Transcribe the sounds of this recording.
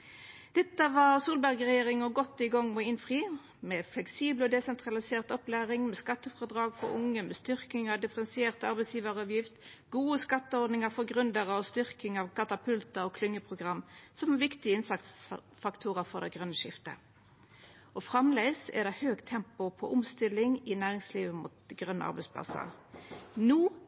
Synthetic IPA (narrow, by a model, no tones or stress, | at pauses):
d̪̥ɛt̪ːəʋɑːʁsuːlbæʁɡʁɛjeːʁɪŋəɡɔt̪ːɪɡɔŋːmɛɪnfʁiː | mɛflɛksiːblɔd̪ɛsɛnt̪ʁɑlɪseːʁt̪ɔplæːʁɪŋmɛskɑt̪ːəfɔʁd̪ʁɑːɡfɔ̰ɾʊ̰ŋːəmɛst̪ʏʁkɪŋɑd̪ɪfəʁɛnsɪeːʁt̪ɑʁbɛɪsjiːʋəʁəɑːʋjɪft̪ | ɡuːəskɑt̪ːəɔʁd̪nɪŋəfɔʁɡʁʉnd̪əʁəɔst̪ʏʁkɪŋɑʋkʰɑt̪ɑpʰʉlt̪əɔkʰlʏŋːəpʰʁʊɡʁɑmːsɔmɛʋɪkt̪ɪəɪnsɑkt̪s | fɑkt̪ʰuːʁəfɔʁd̪ɛɡʁœnːəʃɪft̪ə̰ | ɔfʁɑmleɪsɛ̰ʁd̪ɛhøːɡt̪ʰɛmpʊpʰɔ̰ʔʊmst̪ɪlɪŋɪnæːʁɪŋsliːʋəmṵːt̪̚ɡʁœnːə̰ɑ̰ʁbɛɪspʰlɑ̰sə̰ʁnuː